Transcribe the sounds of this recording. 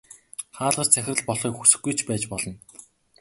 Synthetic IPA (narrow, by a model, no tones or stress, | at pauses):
χaːɮʁə̆rt͡sʰæxʲɪ̆rɘ̆ɮpɔɮχiːkxusɘ̆xɡːujt͡ɕʰpæːt͡ɕpɔɮɞ̆n